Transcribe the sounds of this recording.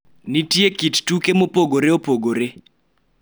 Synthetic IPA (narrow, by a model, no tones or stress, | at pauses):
nitiekittukemopoɡoɾeopoɡoɾe